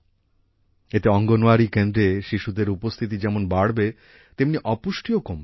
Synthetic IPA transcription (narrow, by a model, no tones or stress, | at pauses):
et̪eɔŋɡonoaɾikend̪ɾeʃiʃud̪eɾupost̪ʰit̪̬id͡ʑɛmonbaɽbe | t̪emniʔɔpuʃʈʰiokom